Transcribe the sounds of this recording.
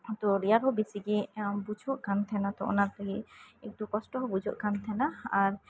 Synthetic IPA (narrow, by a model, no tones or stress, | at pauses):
t̪ɔɾijaɾɦɔbisiɡebud͡ʒʱɔʔkant̪ʰɛnat̪ɔɔ̰naɾt̪aɡiḛk̚ʈukɔsʈɔɦɔbud͡ʒʱɔʔkant̪ʰɛnaaɾ